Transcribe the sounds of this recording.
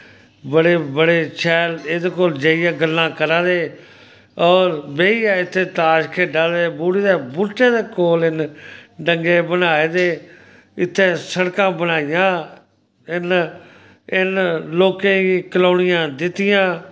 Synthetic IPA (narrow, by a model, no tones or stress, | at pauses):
bəɽeːbəɽeːt͡ʃʰɛːleːd̪ekoːld͡ʒeːijaːɡəlːãːkəɾãːd̪eː | ɔːɾbeːijaːɪt̪ʰːeːt̪aːʃkʰeːɖaːld̪eːbuːɽiːd̪eːbʊɾʈeːd̪eːkoːlɪnɖəŋɡeːbənaːeːd̪eː | ɪt̪ʰːeːsəɽkãːbənaːɪjãː | ɪn | ɪnloːkẽːɡiːkəlaːɳɪjãːd̪ɪt̪ːɪjãː